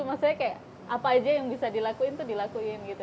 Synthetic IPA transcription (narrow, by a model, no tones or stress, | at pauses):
umasajakajaʔ | apaːd͡ʒajaŋbisadilakuɪnt̪udilakuɪnɡit̪u